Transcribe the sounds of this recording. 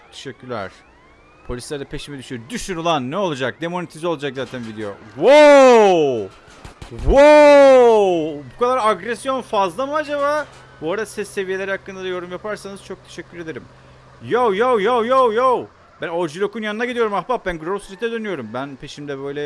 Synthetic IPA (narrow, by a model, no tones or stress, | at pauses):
kt̪ʰe̥ʃɛcʰːyɾlʲæ̰ɾ̥ | pʰo̞lʲislʲæɾd̪ɛpʰe̞ʃimɛd̪yʃyoɾd̪yʃynulˠanːɛo̞lˠad͡ʒak̚d̪emo̞net̪ʰizo̞lˠad͡ʒakzaːt̪ʰænvid̪ejo̞̰ | wo | wo | bukʰad̪aɾaɡɾɛsjo̞nfazlˠamuad͡ʒaβaː | buoɾd̪asɛsːe̞vijeeɾihakːɯnd̪ad̪ajo̞ɾumjapʰaɾsanɯz̥t͡ʃʰo̞k̚t̪ʰe̞̥ʃɛcʰːyɾe̞d̪eɾim | jowjowjowjowjow | bænod͡ʒilʲo̞kʰunjanɯnaɟid̪ijo̞ɾumahbap̚bænɡɾolsyd͡ʒit̪ːɛd̪ønyjo̞ɾumbænpʰe̞ʃimd̪ɛbøjlʲɛ